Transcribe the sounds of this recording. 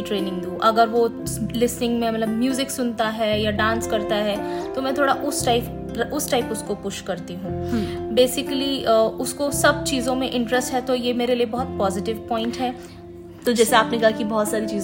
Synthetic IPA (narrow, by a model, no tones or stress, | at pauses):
ʈɾeːnɪ̃ŋɡd̪ũːʔɐɡəɾʋolɪsnɪ̃ŋɡmẽmɐt̪ləbmjuːzɪksʊnt̪aɦɛjaɖãːnskɐɾt̪aɦɛːt̪omɛ̃ːt̪ʰoːɽaʔʊsʈaɪp | ʊsʈaːɪpʊskopʊʃkɐɾt̪iɦũːbeːsɪkəliʊskosɐb̚t͡ʃiːzõmẽʔɪ̃ɳʈɾɛsʈɦɛt̪ojemeːɾeliebɔɦʊt̪̚pɔːzɪʈɪʋpɔ̃ːɪ̃ɳʈɦɛː | t̪od͡ʒɛːseaːpnekɐɦakibɔɦːt̪saːɾit͡ʃiːz